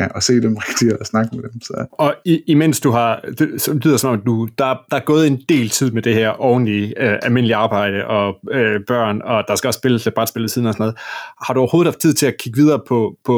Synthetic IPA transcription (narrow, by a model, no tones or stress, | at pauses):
ɒse̝̰ːd̥emʁɛɡ̥d̥isnɑ̈ɡ̥əmed̥emsɒɒ̽iimen̰sd̥uɦɑ̈dslyðˠɐsɒmɒ̽mæ̥ud̥ɑ̈æd̥ɑ̈æɐɡ̥ɔ̽ːð̞̩ˠe̝nd̥e̝̰ːlt͡sʰið̞̰ˠmed̥e̝ɦæɐ̰ʔɒʊn̩liøælme̝nəliɑ̈ːb̥ɑ̈ɪ̰d̥əʔɒ̽øb̥ɶɐ̰nɒ̽d̥ɑ̈sɡ̥æɒ̽sːb̥e̝ləsʰeb̥ʁɑ̈d̥sb̥elð̩ˠsið̰ˠn̩ɒsɒnɒð̞̩ˠhɑ̈ɾuɒʊo̝ːð̩ˠɑfd̥t͡sʰið̞̰ˠt͡sʰe̝lækʰiɡ̥əʋið̞ˠɐːpʰɒ̽pʰɒ̽